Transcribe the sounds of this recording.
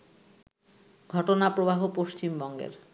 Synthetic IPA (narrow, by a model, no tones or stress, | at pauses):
ɡʱɔʈonapɾobaɦopoʃt͡ɕimbɔŋɡḛɾ